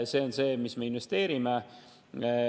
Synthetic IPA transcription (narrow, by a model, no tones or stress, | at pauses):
se̞ːonse̞ːmisme̞inʋe̞st̪e̞ːɾime